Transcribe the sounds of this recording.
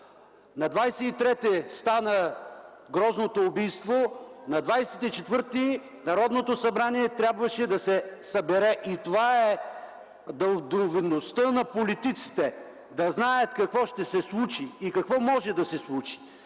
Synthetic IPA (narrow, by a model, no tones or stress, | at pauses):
nɐd̪vajsɛit̪ɾɛt̪ɛst̪anə | ɡɾɔznot̪oːbijst̪vonɐd̪vajsɛt̪it͡ʃɛt̪vɤɾt̪i | nɐɾɔd̪not̪osɐbɾaniɛt̪ɾʲabvɐʃɛd̪ɐsɛsɐbɛɾɛʔit̪ovaɛ | d̪ɐlˠd̪ovinost̪ənɐpolit̪it̪si̥t̪ɛ | d̪ɐznajət̪kɐkvɔʃt̪ɛsɛslˠut͡ʃiːkɐkvɔmɔʒɛd̪ɐsɛslˠut͡ʃi̥